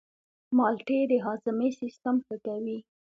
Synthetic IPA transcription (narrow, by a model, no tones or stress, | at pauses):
mɑlʈed̪əɦɑzəmesist̪amxəkawi